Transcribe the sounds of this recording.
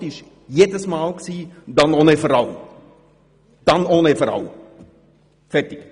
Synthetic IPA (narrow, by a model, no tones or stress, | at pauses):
tɪʃ | jeːdəsmɑːlksiːdɑnoːnefɔɾɑl | d̥ɑnoːnefɔɾɑ̰l | fɛrtɪk